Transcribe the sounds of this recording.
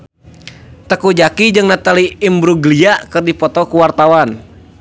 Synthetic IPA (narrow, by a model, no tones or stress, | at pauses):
t̪əkud͡ʒakid͡ʒɨŋnat̪aliimbɾuɡliakɨrdipɔt̪ɔkuwart̪awan